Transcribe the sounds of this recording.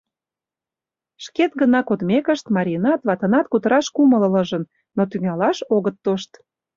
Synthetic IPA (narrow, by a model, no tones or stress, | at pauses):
ʃket̪ɡənɑkod̪mekəʃt̪mɑɾʲinɑt̪βɑt̪ə̆nɑt̪̚kut̪əɾɑʃkumələləʒə̆nː | ot̪yŋɑlɑʃoɣət̪ːoʃt̪